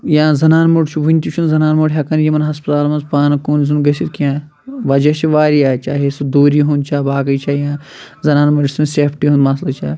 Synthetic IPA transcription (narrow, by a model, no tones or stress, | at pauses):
jãːzɐnaːnmɐɖt͡ʃʰubʱunʲt̪ʲit͡ʃʰunzɐnaːnmoɖɦʲɐkɐnjimɐnɦɐspɐt̪aːlmɐnzpaːnɐkoːnzunɡɐsiɾkiãː | ʋɐd͡ʒɐt͡ʃʰiʋaːɾiaːt͡ʃaːɦesud̪oːɾiɦũnt͡ʃʰaːbaːkɐjt͡ʃʰaːjãː | zɐnaːnmɐɾisunseːpʰʈiɦũnd̪mɐslɐt͡ʃʰaː